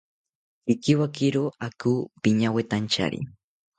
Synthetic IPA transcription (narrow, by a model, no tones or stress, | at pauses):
kɪkɪwakɪɾʊakuːpɪɲawet̪ant͡ʃa̰ɾḭ